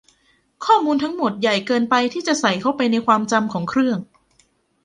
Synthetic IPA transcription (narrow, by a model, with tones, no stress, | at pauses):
kʰɔː˥˩muː˧nt̪ʰa˦˥ŋmo˨˩t̪̚ja˨˩jkɤː˧npa˧jt̪ʰiː˥˩t͡ɕa˨˩ʔsa˨˩jkʰa˦˥wpa˧jna˧jkʰwaː˧mt͡ɕa˧mkʰɔː˩˦ŋkʰɾɯ˥˩əŋ